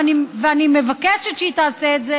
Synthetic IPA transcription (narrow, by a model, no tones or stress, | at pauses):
aniveanimevakeʃet̪ʃit̪aːseːtze